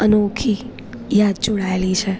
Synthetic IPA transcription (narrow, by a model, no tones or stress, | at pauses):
ənokʰi | jad̪̚d͡ʒoɽaelit͡ʃʰe